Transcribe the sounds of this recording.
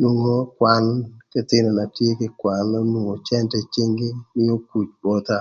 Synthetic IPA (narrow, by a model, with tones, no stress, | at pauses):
nu˨ŋo˦kwa˨lt͡ʃɛ˦t̪ɪ˦nɔ˨na˨tje˦kɪ˦kwa˨lɔ˦nu˨ŋo˨t͡ʃɛ˦ntɛ˨t͡ʃi˦ŋɡɪ˦mɪ˦o˦ku˨t͡ʃbɔ˦t̪a˦